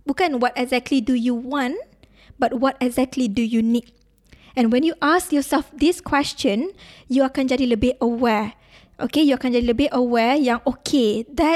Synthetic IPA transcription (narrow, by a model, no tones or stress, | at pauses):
bukãnwɔtɛɡzɛk̚tʰlidujuwɔ̃n | bat̚wɔtɛɡzɛk̚tʰlidujunit̚ | ɛ̃nwɛ̃njuʔaskjɔsɛlfd̪iskʰwɛst͡ʃə̃njuakãnd͡ʒadiləbeʔəwɛ | ʔokejuakãnd͡ʒadiləbiʔəwɛjãŋʔokʰed̪ɛ